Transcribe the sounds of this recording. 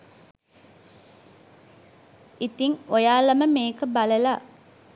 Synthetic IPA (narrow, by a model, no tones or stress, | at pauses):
it̪iŋojaːlɐməmeːkəbaləla